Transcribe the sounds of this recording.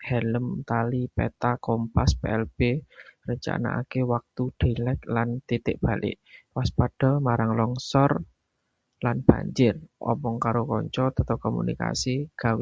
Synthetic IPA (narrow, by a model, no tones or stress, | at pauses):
hɛləmt̪alipɛ̰t̪akɔmpaspeɛlb̥erət͡ʃa̰na̰ʔa̰kewak̚t̪uɖ̥e̤lɛt̪̚lant̪it̪ɪʔb̥a̤lʔɪ̰ʔwaspaɖ̥ɔ̤maɾaŋlɔŋsɔr | lanb̥a̤̰ɲd͡ʒɪrʔɔ̰mɔŋkaɾokɔ̰ɲt͡ʃɔt̪ət̪ɔkɔmṵnḭka̰siɡ̥a̤we